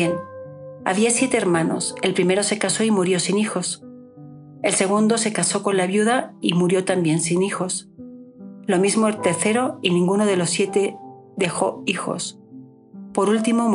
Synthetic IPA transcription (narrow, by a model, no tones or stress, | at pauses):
en | a̰βiasje̞t̪e̞eːɾmãno̞̰se̞lpɾime̞ɾo̞se̞kaso̞imuɾjo̞sinixo̞s | e̞lse̞ɣ̞und̪o̞se̞kaso̞ko̞nlaβjuðaimuɾjo̞t̪ambje̞nsinixo̞s | lo̞mizmoeɾt̪e̞ɾθe̞ɾo̞inĩŋɡuno̞ðe̞lo̞sːje̞t̪e̞ | ðe̞xo̞ixo̞̰s | po̞ɾult̪imo